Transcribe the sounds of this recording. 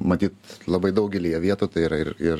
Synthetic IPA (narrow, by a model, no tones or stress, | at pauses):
mɐt̪ʲiːt̪lˠɐbɐɪd̪ɐʊɡʲɛlʲiːjɛʋʲiɛt̪uːt̪ɐɪiɾɐɪrɪr